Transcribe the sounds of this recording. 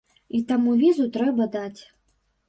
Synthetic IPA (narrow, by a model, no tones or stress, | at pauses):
it̪amuvʲizut̪ɾɛbɐd̪at͡sʲ